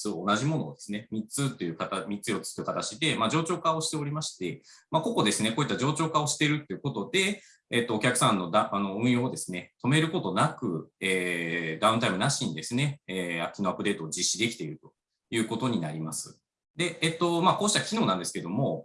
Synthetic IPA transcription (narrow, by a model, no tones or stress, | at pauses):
sɨoːnaʑimo̞no̞̰ːd̪e̞sɨne̞mʲit͡sɨt̪ːo̞jɯ̟kat̪amʲitt͡sɨjo̞t͡sɨ̥t̪ojɯ̟kat̪at͡ɕid̪e̞maːd͡ʑo̞ːt͡ɕo̞ːkao̞ɕi̥t̪e̞o̞ɾʲimaɕi̥t̪e̞mako̞ko̞d̪e̞sɨne̞koːit̪ːad͡ʑo̞ːt͡ɕo̞ːkao̞ɕi̥t̪e̞ɾɯ̟t̪ːe̞iɯ̟ko̞t̪o̞d̪e̞ː | t̪ːo̞ːkʲakɯ̟̥sãnːo̞d̪aano̞ɯ̟̃ɰ̃od̪e̞sɨne̞t̪o̞me̞ɾɯ̟ko̞t̪o̞nakɯ̟e̞ːd̪aɯ̃nt̪aimɯ̟naɕĩnid̪e̞sɨne̞eakʲːino̞apːɯd̪e̞ːt̪oːd͡ʑiɕːid̪e̞kʲi̥t̪e̞iɾɯ̟t̪o̞̥ | jɯ̟ːko̞t̪o̞ɲ̟inaɾʲima̰sɨ | d̪e̞et̪ːo̞mako̞ːɕi̥t̪akʲino̞ːnãnd̪e̞sɨ̥ke̞d̪o̞mo̞